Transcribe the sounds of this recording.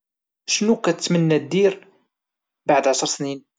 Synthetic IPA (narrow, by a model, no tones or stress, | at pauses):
ʃnukæt͡sːmənːæd̪iɾ | baʕd̪ʕaʃəɾˤsnin